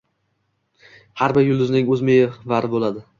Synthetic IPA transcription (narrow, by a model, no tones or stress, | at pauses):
haɾbɪɾjʊlˠd̪ʊznɪŋɵzmejɪvaɾɪbolad̪ɪ